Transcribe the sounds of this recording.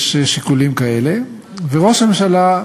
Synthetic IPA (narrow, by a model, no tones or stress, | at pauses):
ʃʃikulimkaele̞ | veʁo̞ʃamemʃala